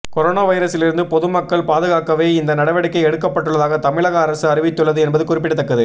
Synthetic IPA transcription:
kɔɾoːnaːʋɐɪɾɐsɪlɪɾɯnd̪ɯpɔðɯmɐkːɐɭpaːðɯɣaːkɐʋeːɪnd̪ɐnɐɽɐʋɐɽɪkːɐɪɛɽɯkːɐpːɐʈːɯɭːɐðaːɣɐt̪ɐmɪɭɐɣɐɐɾɐsɯɐɾɪʋɪt̪ːɯɭːɐðɯɛnbɐðɯkʊrɪpːɪɽɯt̪ːɐkːɐðɯ

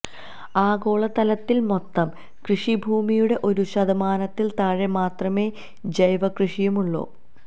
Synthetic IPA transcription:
aːɡo̞ːɭɐt̪ɐlɐt̪ːilmo̞t̪ːɐm | krɨʂibʱuːmijuɽe̞ʔo̞ɾuɕɐd̪ɐmaːnɐt̪ːilt̪aːɻemaːt̪rɐme̞ː | d͡ʑɐjʋɐkrɨʂijumuɭːo̰ː

